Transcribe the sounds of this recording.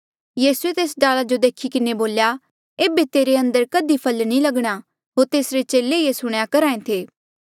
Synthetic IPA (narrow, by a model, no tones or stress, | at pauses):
jiːsuet̪eːsɖaːlad͡ʒod̪eːkʰikɪneboːlja | eːbet̪eːɾeɐ̃nd̪əɾkɐd̪ipʰɐlnĩlɐɡɽ̃a | ɦoːɾt̪eːsɾet͡ʃeːleiesʊɽ̃jakɐɾãːẽt̪ʰeː